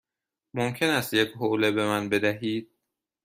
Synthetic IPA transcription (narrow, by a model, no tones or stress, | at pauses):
momcʰe̞næst̪jecʰɦoːlebe̞mænbe̞d̪æɦiːd̪̥̚